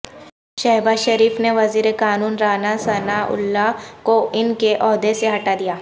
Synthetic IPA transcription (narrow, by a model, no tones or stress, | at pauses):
ʃɐɦbaːʃɐɾiːfneʋɐziːɾekaːnuːnɾaːnasɐnaʔʊ̰lːakoɪnkeʔɔːɦd̪eseɦɐʈad̪ijaː